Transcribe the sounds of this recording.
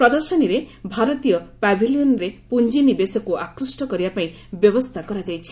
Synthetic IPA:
pɾɔd̪ɔɾʃɔniɾebʱaɾɔt̪ijɔpabʱilijɔnɾepund͡ʒinibesɔkuʔakɾusʈɔkɔɾibapaĩ | bjɔbɔst̪ʰakɔɾad͡ʒajt͡ʃʰi̥

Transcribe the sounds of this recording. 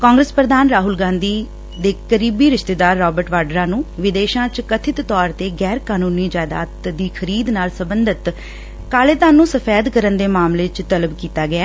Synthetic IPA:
kãːŋɡɾəspɾəd̪aːnɾaːɦʊlɡãːnd̪iː | d̪eːkəɾiːbiːɾɪʃt̪eːd̪aːɾːɔːbəɾʈʋaːɖɾaːnũːʋɪd̪eːʃãːt͡ʃkət̪ʰɪt̪ːɔːɾt̪eːɡɛːɾkaːnũːniːd͡ʒaːjd̪a̰ːt̪d̪iːkʰəɾiːd̪naːlsəbənd̪ət̪ | kaːleːt̪aːnũːsəpʰɛːd̪kəɾənd̪eːmaːmleːt͡ʃt̪ələbkiːt̪aːɡɪaː

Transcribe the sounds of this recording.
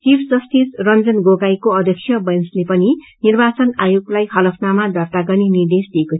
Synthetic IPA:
t͡sipʰsʌst̪isrʌnd͡zʌnɡoɡajkoʌd̪ʱjʌksʰjʌbʌjnslepʌni | nirbat͡sʌnajoɡlajɦʌlʌpʰnamad̪ʱʌrt̪aɡʌrninird̪esd̪ieko

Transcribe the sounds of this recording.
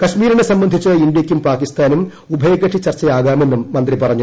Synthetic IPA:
kɐɕmiːɾinesɐmbɐnd̪ʱit͡ɕːɨind̪jɐkʲːumpaːkist̪aːnum | ubʱɐjɐɡɐʈʂʰit͡ɕːɐrt͡ɕːɐjaːɣaːme̞nːumːɐnd̪ripɐrɐɲːu

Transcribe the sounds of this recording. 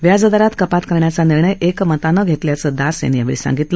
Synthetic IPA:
ʋjad͡zəd̪aɾat̪kəpat̪kəɾɳjat͡saniɾɳəjekmət̪anəɡʱet̪ljat͡səːd̪asḛnjaʋḭɭisã̰ŋɡit̪lə

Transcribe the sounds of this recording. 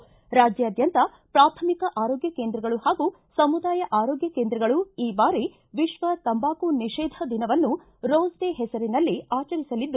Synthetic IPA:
ɾaːd͡ʒjɐːd̪jɐnt̪ɐ | pɾaːt̪ʰɐmikɐʔaːɾoːɡjɐkeːnd̪ɾɐɡɐɭuhaːɡu | sɐmud̪aːjɐʔaːɾoːɡjɐkeːnd̪ɾɐɡɐɭuiːbaːɾi | ʋiʃʋɐt̪ɐmbaːkuniʃɛːd̪ʱɐd̪inɐʋɐnːu | ɾoːzd̪eːɦɛsɐɾinɐlːiaːt͡ʃɐɾisɐlid̪ːu

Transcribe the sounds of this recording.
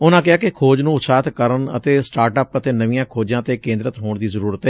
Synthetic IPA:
ʊnãːkɪaːkɪkʰoːd͡ʒnũːʊsaːt̪kəɾənə̰t̪eːsʈaːɾʈəpət̪eːnəʋijãːkʰoːd͡ʒãːt̪eːkẽːnd̪ɾət̪ɦoːɳd̪iːzəɾuːɾət̪ɦɛː

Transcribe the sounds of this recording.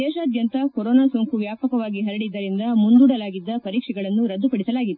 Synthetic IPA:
ɛːʃaːd̪jɐnt̪ɐkoɾoːnaːsoːŋkuʋjaːpɐkɐʋaːɡiɦɐɾɐɽid̪ːɐɾind̪ɐmund̪uːɽɐlaːɡid̪ːɐpɐɾiːkʂɛɡɐɭɐnːuɾɐd̪ːupɐɽisɐlaːɡid̪e

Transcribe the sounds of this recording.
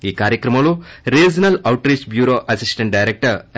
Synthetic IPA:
iːkaːɾjɐkɾɐmɐɭuɾeːd͡ʒɐnɐlɐwʈɾiːt͡ʃbjuːɾoːʔɐsisʈɐ̃ɳʈ̚ɖɐjɾek̚ʈɐɾ

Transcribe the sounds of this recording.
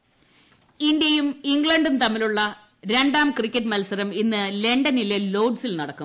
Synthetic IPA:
ind̪jɐjumiŋɡɭɐɳɖunt̪ɐmːiluɭːɐ | ɾe̞ɳɖaːmkrikʲːɐʈːmɐlsɐɾɐminːɨle̞ɳɖɐnilelo̞ːɖsilnɐɽɐkːu

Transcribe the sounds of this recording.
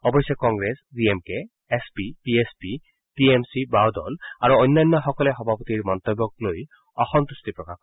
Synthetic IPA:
ɔbɔjsɔkɔŋɡɹesdiemkɛː | spipiespi | tiemsibawdɔ̰laɹuojnːajnːɔxɔkɔlɛxɔbʱapot̪iɹmɔnt̪obːɔk̚loj | ɔxɔmt̪ustipɹɔkax

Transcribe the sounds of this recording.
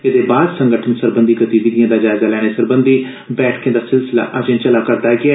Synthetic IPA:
ɪd̪eːbaːd̪səŋɡəʈʰənsəɾbənd̪iːkət̪iːbiːd̪ijãːd̪aːd͡ʒaːɪzaːlɛːɽ̃eːsəɾbənd̪iː | bɛːʈʰkːd̪aːsɪlsɪla̰ːʔad͡ʒẽːt͡ʃəlaːkəɾd̪aːɛɡɪaː

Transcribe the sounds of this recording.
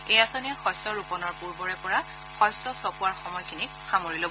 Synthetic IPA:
ejasɔnɛxɔsɔɹupɔnɔɹpuɹbɔɹɛpɔɹa | xɔjsɔsɔpuwaɹxɔmɔjkʰinikxamoɹilob

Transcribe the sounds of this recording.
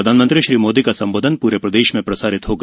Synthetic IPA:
ɐd̪ʱaːnmə̃nt̪ɾiʃɾiːmoːd̪ikasɐ̃mboːd̪ʱənpuːɾepɾɐd̪eːʃmẽpɾɐsaːɾɪt̪ɦoːɡ

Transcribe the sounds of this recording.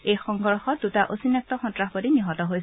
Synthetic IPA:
ejxɔŋɡɔɹxɔt̚dutaʔosinɛk̚tɔxɔntɹaxbodiniɦɔtɔɦoj

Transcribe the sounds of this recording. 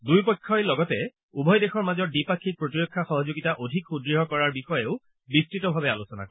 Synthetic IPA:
dujpɔjkʰːɔjlɔɡɔtɛ | ubʱɔjdexɔɹmazɔɹdipakʰːik̚pɹotiɹɔkʰːaxɔɦɔzoɡitaʔodʱikxudɹiɦɔkɔɹaɹbixɔjeʊ | bistɹitɔbʱabɛalusɔna̰kɔ

